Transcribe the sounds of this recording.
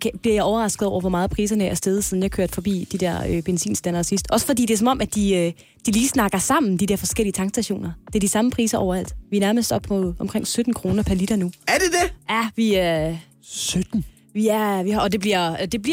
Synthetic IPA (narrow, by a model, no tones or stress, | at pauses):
kʰb̥liɐjɑ̈ɪɒʊɐʁɑ̈sɡ̥ð̩ˠɒʊ̰ɐʋɒ̽mɑ̈ːð̞̩ˠpʰʁiːsɐnəʔæɐsd̥eð̞̩ˠsiðˠnjɑ̈ɪkʰøɐd̥fɒ̽b̥ḭːd̥id̥eɐ̰øb̥ensḭːnsd̥ænɐsisd̥ɒ̽sə̥fɒ̽d̥ḭːd̥e̝æɐs̬ɒ̽mɒ̽mæd̥iø | d̥iliːsnɑ̈ɡ̥ɐsɑ̈m̰n̩d̥id̥eɐfɒ̽sɡ̥el̰iət͡sʰɑ̈ŋɡ̥sd̥æɕo̝̰ːnɐd̥e̝ɐdisɑ̈məpʰʁiːsɐʔɒ̰ʊɐæl̰d̥ʋiænæɐməsd̥ɒ̽b̥mɔð̩ˠɒ̽mkʰʁeŋ̰sød̥n̩kʰʁo̝ːnɐpʰæɐlid̥ɐnuæɐd̥ed̥eæʋi | sød̥n̩ | ʋiæɐʋihɒd̥e̝b̥liɐ̰d̥e̝bliɐ